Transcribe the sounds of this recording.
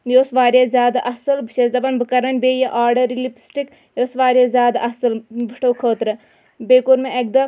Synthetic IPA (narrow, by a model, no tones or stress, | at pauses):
josʋaːɾjaːzʲjaːd̪aʔɐsɨlbiʃezd̪ɐbɐnbɨkɐɾɐnʲbeːjɐʔaːɾɖɐɾilipsʈik | joːsʋaːɾʲjaːzʲjaːd̪aʔɐsɨlbɨʈɐwkʰəːt̪ɾɨ | beːkoɾmeek̚d̪ɐ